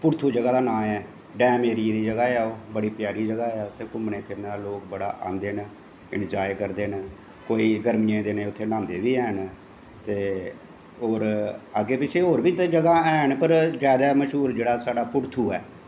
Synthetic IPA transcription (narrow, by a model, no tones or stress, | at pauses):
pʊɾt̪ʰuːd͡ʒəɡaːd̪aːnãːmɛː | ɖɛːmeːɾid̪iːd͡ʒəɡaːɛːoːbəɽiːpjaːɾiːd͡ʒəɡaːɛːoʊt̪ʰeːkʊmnẽːpʰɪɾnːd̪aːloːkbəɽa̰ːʔa̰ːnd̪eːn | ɪ̰nd͡ʒaːjkəɾd̪eːn | koːiːɡəɾmɪjẽːd̪eːnẽːʊt̪ʰːeːnãːnd̪eːʋiːɛːn | t̪eː | oːɾaːɡeːpɪt͡ʃʰeːɦoːɾbiːt̪d͡ʒəɡaːɛːɳpəɾzjaːd̪aːməʃɦuːɾd͡ʒeːɽaːsaːɖaːpʊɽt̪ʰuːɛː